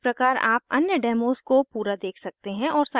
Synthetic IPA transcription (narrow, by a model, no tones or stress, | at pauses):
pɾɐkaːɾa̰ːp̚ɐ̰njəɖɛːmoːzkopuːɾad̪eːkʰsɐk̚t̪eɦɛ̃ɔːɾsaː